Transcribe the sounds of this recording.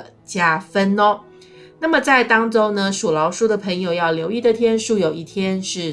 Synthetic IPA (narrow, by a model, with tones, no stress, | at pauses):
t͡ɕja˥fə˥nɔ˦ | na˥˩mə˩t͡sa˥˩ɪt̪ɑ˥ŋʈ͡ʂo˥ŋnə˧ʂu˨˩lɑ˧˥ʊʂu˥d̪ə˨˩pʰə˧˥ŋjo˨ʊjɑ˥˩ʊljo˧˥ʊi˥˩d̪ə˨˩t̪ʰjɛ˥nʂu˥˩jo˨˩ʊi˥˩t̪ʰjɛ˥nʂɻ̩˥˩